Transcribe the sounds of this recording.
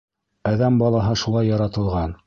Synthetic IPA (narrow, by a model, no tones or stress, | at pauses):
æðæmbɑlˠɑɦɤʃulˠɑjːɑɾɑt̪ɤ̆lˠʁɑn